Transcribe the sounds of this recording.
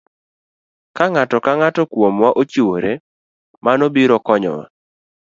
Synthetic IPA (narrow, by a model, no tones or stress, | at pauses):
kaŋatɔkaŋatɔkwomwaʔot͡ʃiwoɾe | manobiɾɔkɔɲɔ̰wa̰